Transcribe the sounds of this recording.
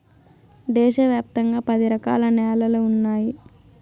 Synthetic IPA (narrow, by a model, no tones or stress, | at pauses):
d̪ɛːʃɐʋjaːp̚t̪ɐŋɡaːpɐd̪iɾɐka̰ːlɐnɛːlɐluunːaːji